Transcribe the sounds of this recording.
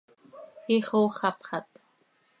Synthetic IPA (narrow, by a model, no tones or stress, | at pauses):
iχoːχɑpχɑt̪